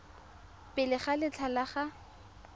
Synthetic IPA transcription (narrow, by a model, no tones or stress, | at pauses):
pʼɪlɪχalɪt͡ɬʰalaχa